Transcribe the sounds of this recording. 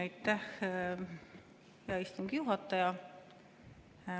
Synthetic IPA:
ɑjt̪ːˑæh | jɑist̪umɡ̥ijuɦɑt̪ːˑɑjɑ

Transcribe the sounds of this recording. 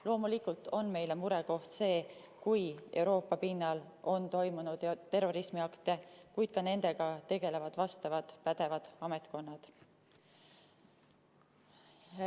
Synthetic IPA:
lo̞ːmulikult̪ˑo̞nme̞jlemuɾe̞ko̞ht̪se̞ː | kuje̞uwɾo̞ːpːˑɑpinːɑlʔo̞nt̪o̞jmunud̪t̪ːe̞rːo̞ɾismiɑkt̪e̞kujt̪kɑne̞nd̪e̞ɡ̥ɑt̪e̞ɡe̞le̞vɑd̪̥vɑst̪ɑvɑd̪̥pæd̪̥e̞vɑd̪̥ɑmet̪ko̞nːɑd̪̥

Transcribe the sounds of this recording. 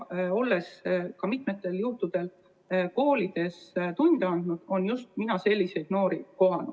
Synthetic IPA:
o̞lːe̞skɑmit̪me̞t̪ːˑe̞ljuht̪ud̪̥e̞l | ko̞ːlʲid̪̥e̞st̪unʲd̪̥eɑnd̪̥nud̪̥o̞njust̪minɑse̞lʲːise̞jd̪̥no̞ːɾiko̞ɦɑnu

